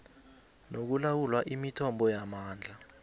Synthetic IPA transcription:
nok̬ulawulwaʔimitʰɔmbɔjamaːnd͡ɮʱa

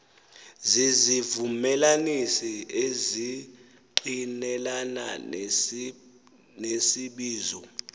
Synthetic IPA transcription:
zizivumɛlanisiezi | ǃinɛlana̰ | nesiɓiːzɔ

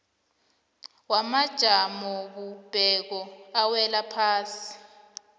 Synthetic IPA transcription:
wamad̥ʒ̥ʱamɔɓub̥ʱɛk̬ɔawɛlapʰaːsi̥

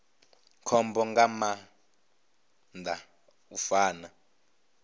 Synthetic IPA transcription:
kʰɔmbɔŋɡama | nd̪ʱa | ufaːna

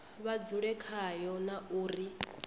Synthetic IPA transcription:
βad͡zuɺɛkʰajɔnauːri

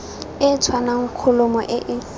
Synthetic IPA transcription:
ɪt͡sʰwanaŋ̩kʰʊlʊmɔ̰ʔɪʔɪ

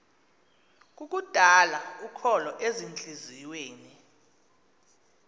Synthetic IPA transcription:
k̬ʼuk̬ʼud̥ʱalaukʰɔlɔʔezint͡ɬʼiziweːni

